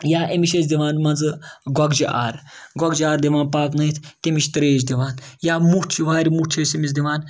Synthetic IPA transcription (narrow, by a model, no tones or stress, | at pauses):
jaːʔemiʃet͡sd̪iʋaːnmɐnzɨɡɔɡd͡ʒiʔa̰ːɾɡɔɡd͡ʒiaːɾd̪iʋaːnpaːp̪nɐit̪ʰt̪ʲemiʃt̪ɾeːd͡ʒd̪iʋaːnjaːmut͡ʃʰiʋaːɾʲimut͡ʃʰesemis̬d̪iʋaːn